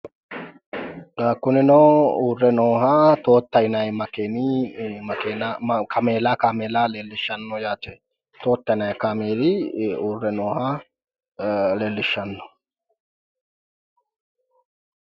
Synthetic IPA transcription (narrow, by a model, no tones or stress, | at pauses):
ɡaːkːʊnɪnɔuːrːɛnoːɦat̪o̞ːt̪ːɐɪnɐjmɐkeːnimɐkeːnakʰɐmeːlaːkameːlaːleːlːɪʃːɐnːɔjaːt͡ʃɛ | t̪o̞ːt̪ːɐɪnɐjkaːmeːdɪuːrːɛnoːha | leːlːɪʃːɐnːɔ̥